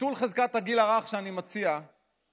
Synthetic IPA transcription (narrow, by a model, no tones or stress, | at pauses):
t̪ulχezkat̪aɡilaʁaχʃeanimat͡sia